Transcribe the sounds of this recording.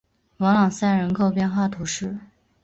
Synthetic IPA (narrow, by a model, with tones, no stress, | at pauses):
wɑ˧˥ŋlɑ˨˩ŋsa˥˩ɪɻə˧˥nkʰo˥˩ʊpjɛ˥˧nxwa˥˩t̪ʰu˧˥ʂɻ̩˥˩